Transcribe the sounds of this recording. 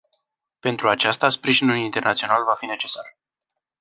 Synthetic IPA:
pe̞nt̪ɾuat͡ʃast̪aspɾiʒinulint̪e̞rnat̪sio̞nalvafine̞t͡ʃe̞sar

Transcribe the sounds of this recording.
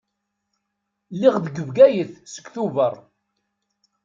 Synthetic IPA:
lːiʁd̪əɡəvɡæjəθsə̥ɡθuvərˤ

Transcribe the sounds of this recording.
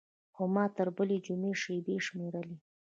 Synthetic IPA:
xomɑt̪əɾbəled͡ʒumeʃeb̪eʃmeɾəli

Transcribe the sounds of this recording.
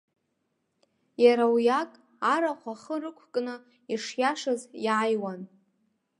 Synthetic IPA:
jaɾawjakʼ | aɾaχʷaχərɨkʷʰkʼnɨ | iʂjaʂazjajwan

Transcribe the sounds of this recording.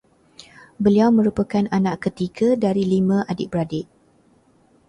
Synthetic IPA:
bəliawmə̃ɾupakananãʔkət̪iɡadaɾilimãʔadɪʔ̚bɾadɪʔ̚

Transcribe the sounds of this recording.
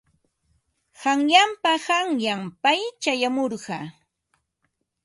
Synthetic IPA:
hɑŋjampahɑŋjampajt͡ʃajamoɾɢɑ

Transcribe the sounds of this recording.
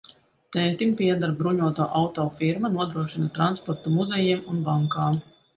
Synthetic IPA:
t̪ɛnt̪impʲiɛd̪aɾbɾuɲuɔt̪aːʔawt̪ɔːfiɾmanuɔd̪ɾuɔʃinat̪ɾanspɔɾt̪umuzɛjɛːmunbaŋkaːm

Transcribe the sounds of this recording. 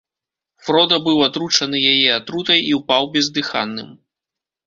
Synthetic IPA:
fɾɔd̪ɐbɨwat̪ɾut͡ʂɐnɨjajɛat̪ɾut̪ɐjiwpawbʲɛzd̪ɨxa̰nːɨ̰m

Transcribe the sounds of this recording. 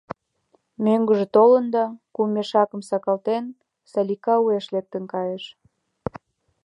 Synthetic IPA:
møŋɡəʒĕt̪olənd̪ɑkumeʃɑkə̆msɑkɑlt̪en | sɑlʲikɑueʃlek̚t̪ə̆nkɑjeʃ

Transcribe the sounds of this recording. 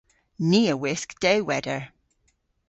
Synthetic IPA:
niːəwɪskd̥ɛwwɛdəɹ

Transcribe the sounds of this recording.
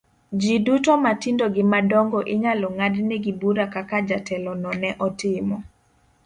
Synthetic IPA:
d͡ʒidutomatindoɡɪmadɔŋɡɔʔɪɲalɔŋadnɛɡibuɾakakad͡ʒatɛlɔnɔnɛʔɔtɪmɔ

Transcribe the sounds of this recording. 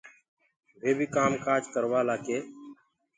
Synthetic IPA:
bʱeːbʱiːkaːmkaːd͡ʒkəɾʋaːlaːkeː

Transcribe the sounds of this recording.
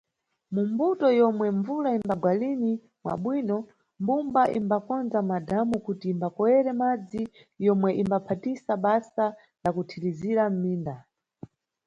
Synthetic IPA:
mumbutɔjɔmwɛɱvulaimbaɡwalini | mwa̰ɓwiːnɔ | mbumbaʔḭmbakɔnzamadamukutiːmbakɔwɛɾɛmad͡zi | jɔmwɛʔimbapʰatisaɓasa | lakutʰiɾiziɾam̩miːnda

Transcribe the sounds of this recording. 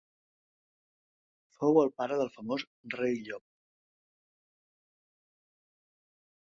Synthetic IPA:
fowəlˠpaɾəðəlˠfəmos | rejʎɔp̚

